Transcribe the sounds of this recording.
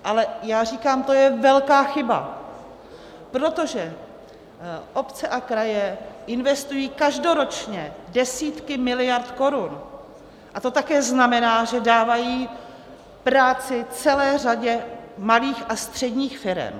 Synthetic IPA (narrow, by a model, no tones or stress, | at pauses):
ʔalɛjaːr̝iːkaːmt̪o̞jɛvɛlkaːxɪba̰ | pɾo̞t̪o̞ʒɛ | ʔo̞pt͡sɛʔakɾajɛʔɪnvɛst̪ujiːkaʒdo̞ɾo̞t͡ʃɲɛdɛsiːt̪kɪmɪlɪjaɾt̪ko̞ɾun | ʔat̪o̞t̪akɛːznamɛnaːʒɛdaːvajiː | pɾaːt͡sɪt͡sɛlɛːr̝aɟɛmaliːxast̪r̝̥ɛdɲiːxfɪɾɛ̰m